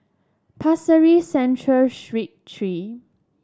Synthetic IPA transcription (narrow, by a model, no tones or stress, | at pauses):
pʰasəɹisɛ̃ntʰɹəlʃɹit̚tʰɹi